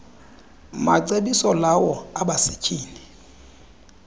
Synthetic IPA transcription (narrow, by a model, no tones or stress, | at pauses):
maǀeɓisɔlawɔaɓasi̥kʰʼiːni